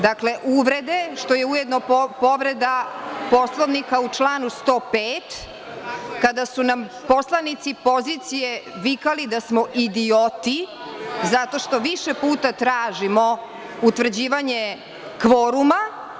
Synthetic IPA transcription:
d̪akle̞ʔuʋɾe̞d̪e̞ʂt̪o̞je̞ujed̪nopo̞ʋɾed̪apo̞slˠoʋnikaut͡ʂlaːnust̪o̞ːpeːt̪ | kad̪asunam | po̞slˠanit̪sipo̞zit̪sije̞ʋikalid̪asmoʔid̪iot̪i | zat̪o̞ʃt̪o̞ʋiʃepuːt̪at̪ɾaːʒimo | ut̪ʋr̩d͡ʑiːʋaɲe | kʋoɾuma

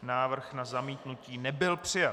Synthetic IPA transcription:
naːvr̩xnazamiːt̪nuciːnɛbɪlpr̝̥ɪja

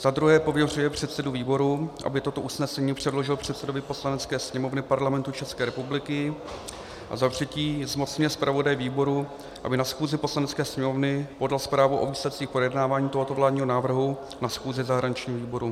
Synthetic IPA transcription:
z̥ad̪ɾuɦɛːpo̞vjɛr̝ujɛpr̝̥ɛt̪sɛduviːbo̞ɾuʔa̰bɪt̪ot̪o̞ʔusnɛsɛɲiːpr̝̥ɛdlo̞ʒɪlpr̝̥ɛt̪sɛdo̞vɪpo̞slanɛtt͡skɛːsɲɛmo̞vnɪpaɾlamɛnt̪ut͡ʃɛskɛːɾɛpublɪkɪ | ʔa̰zat̪r̝̥ɛciːzmo̞t͡sɲɪɛspɾavo̞dajviːbo̞ɾu | ʔa̰bɪnasxuːzɪpo̞slanɛt͡skɛːsɲɛmo̞vnɪpo̞dalspɾaːvuʔo̞viːslɛt̪̚t͡siːxpojɛdnaːvaːɲiːt̪o̞ɦot̪o̞vlaːdɲiːɦo̞naːvr̩ɦu | nasxuːzɪzaɦɾaɲɪt͡ʃɲiːɦoviːbo̞ɾu

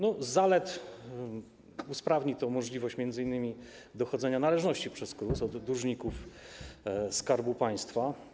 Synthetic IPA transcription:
nɔzalɛt̪ | uspɾavɲit̪ɔmɔʐlʲivɔɕt͡ɕmʲjɛnd̪zɘinːɘmʲi | d̪ɔxɔd̪zɛɲanalɛʐnɔɕt͡ɕipʂɛskɾusɔd̪ɾuʐɲikuf | skaɾbupaj̃st̪fa

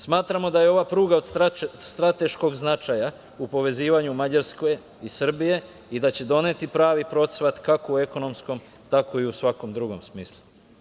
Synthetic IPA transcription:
smaːt̪ɾamo̞d̪ajeo̞ʋapɾuːɡaod̪st̪ɾat̪e̞ʃko̞ɡznat͡ʃaja | upo̞ʋe̞ziːʋaɲumad͡ʑaɾsko̞j | isr̩bije̞ | id̪at͡ɕe̞d̪o̞ne̞t̪ipɾaːʋipɾo̞t̪sʋat̪kakoue̞ko̞no̞msko̞m | t̪ako̞iusʋako̞md̪ɾuɡo̞̰msmiːslˠu

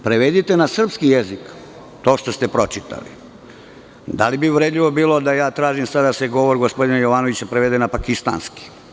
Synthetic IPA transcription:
pɾeʋed̪it̪enasr̩pskijezik | t̪oːʃt̪ost̪epɾo̞t͡ʃit̪a̰lḭ | d̪a̰libiʋɾed̪ʎiʋo̞biːlo̞d̪ajaːt̪ɾaːʒimsad̪d̪ase̞ɡo̞ʋoɾɡospo̞d̪inajo̞ʋanoʋit͡ɕapɾeʋed̪enapakist̪a̰ːnski̥

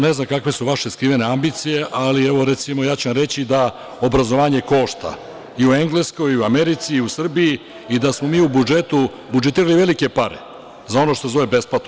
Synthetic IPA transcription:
neznamkakʋe̞suʋaʃe̞skɾiʋene̞ambit̪sije̞ʔalieʋo̞ɾet̪simojaːt͡ɕuʋamɾet͡ɕid̪a | o̞bɾazo̞ʋaːɲe̞ko̞ʃt̪a̰ | iue̞ŋɡle̞sko̞jiuameɾit̪siːusr̩biji | id̪asmo̞miːubud͡ʒet̪u | bud͡ʒet̪iːɾaliʋe̞like̞paɾḛ | zao̞noʃt̪osezo̞ʋebe̞splat̪no

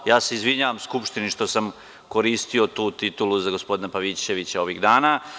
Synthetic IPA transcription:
jaːseizʋiɲaːʋamskupʃt̪iniʃt̪o̞sam | ko̞ɾiːst̪io̞t̪uːt̪it̪uluzaɡo̞spo̞d̪inapaʋit͡ʃe̞ʋit͡ɕao̞ʋiɣd̪aːna

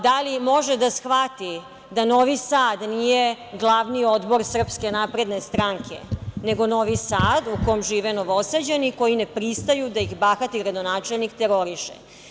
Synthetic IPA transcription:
d̪alimo̞ʒed̪asxʋat̪i | d̪ano̞ʋisaːd̪nije | ɡlˠaʋnio̞d̪bo̞ɾsr̩pske̞naːpɾe̞d̪nest̪ɾaŋkʰe̞̰neɡo̞no̞ʋisaːd̪ukojomʒiːʋenoʋosad͡ʑeniko̞jinepɾist̪ajud̪aixbaːxat̪iɡɾad̪o̞naːt͡ʃelnikt̪eɾo̞ɾiʃḛ

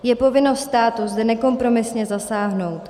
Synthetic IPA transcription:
jɛpo̞vɪnost̪st̪aːt̪uzd̪ɛnɛko̞mpɾo̞mɪsɲɛzasaːɦno̞wt̪

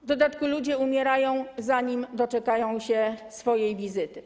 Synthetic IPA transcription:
vd̪ɔd̪at̪kulud͡ʑɛumʲjɛɾajɔ̃w̃zaɲimd̪ɔt͡ʂɛkajɔ̃w̃ɕɛsfɔjejvʲizɘt̪ɘ

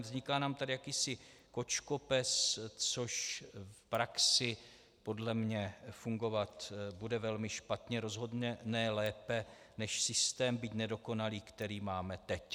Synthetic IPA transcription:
vzɲɪkaːnaːmt̪adɪjakiːsɪko̞t͡ʃkopɛst͡so̞ʃfpɾaksɪ | po̞dlɛmɲɛfuŋɡo̞vat̪budɛvɛlmɪʃpat̪ɲɛɾo̞zɦo̞dɲɛnɛlɛːpɛ | nɛʃsɪst̪ɛːmbiːt̪nɛdo̞ko̞naliːkt̪ɛɾiːmaːmɛt̪ɛc

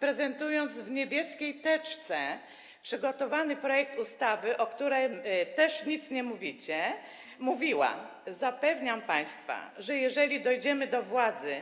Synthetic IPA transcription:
pɾɛzɛnt̪ujɔnd̪zvɲebʲjɛskʲejt̪ɛt͡ʂt̪sɛ | pʂɘɡɔt̪ɔvanɘpɾɔjɛk̚t̪ust̪avɘʔɔkt̪uɾɛjt̪ɛʂɲit̪sɲɛmuvʲit͡ɕɛ | muvʲiwa̰zapɛvɲampaj̃st̪fa̰ʐɛjɛʐɛlʲid̪ɔjd͡ʑɛmɘd̪ɔvwad̪zɘ

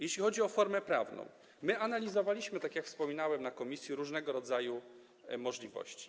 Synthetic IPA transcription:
jeɕlʲixɔd͡ʑiɔfɔɾmɛpɾavnɔ̰̃w̃ | mɘanalʲizɔvalʲiɕmɘt̪akʲjakfspɔmʲinawɛmnakɔmʲisʲjiɾuʐnɛɡɔɾɔd̪zaju | mɔʐlʲivɔ̰ɕt͡ɕi̥

